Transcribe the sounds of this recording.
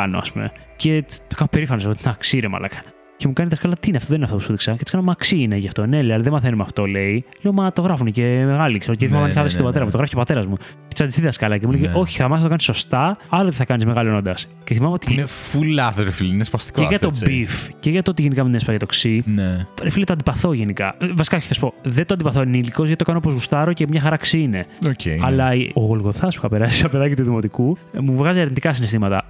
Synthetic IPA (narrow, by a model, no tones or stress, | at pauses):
ɐno̰ɐ̰spumḛce̞t̪okɐfope̞ɾifɐnosɐot̪inɐksiɾemɐ̰lʔɐ̰kɐ | cemukɐniðɐskɐlɐt̪iineɐft̪oðeninɐft̪o̞pusuðiksɐcet̪i̥skɐnomɐksiineʝɐft̪o̞neleɐlɐðemɐθenumeɐft̪o̞le̞ileomɐt̪o̞ɣɾɐfunecemeɣɐliksceiθmɐkɐnɐlosist̪obɐt̪e̞ɾɐmut̪oɣɾɐfi̥cepɐt̪e̞ɾɐzmu̥ | sɐnd̪ist̪iðɐskɐlɐcemuleʝeʔoçi̥θɐmɐsɐt̪oɐniso̞st̪ɐɐlot̪iθɐkɐnizmeɣɐloenond̪ɐs | ceθimɐmeot̪inefulɐθoɾefiliinespɐst̪i̥keʝɐt̪o̞bbifceʝɐt̪oot̪iʝenikɐminespɐɐʝɐt̪o̞ksineɾefilit̪oɐnd̪ipɐθo̞ʝenikɐvɐsi̥kɐoçi̥θɐsu̥po̞ðet̪oɐnd̪ipɐθoniliko̞zʝɐt̪it̪kɐnoopo̞zɣust̪ɐɾo̞cemɲɐxɐɾɐksiineoceɐlɐioɣolɣo̞θɐspu̥θɐpeɾɐsi̥sɐpe̞ðɐcit̪uðimo̞t̪ikumuvɣɐziɐɾnit̪ikɐs̬inest̪imɐt̪ɐ̰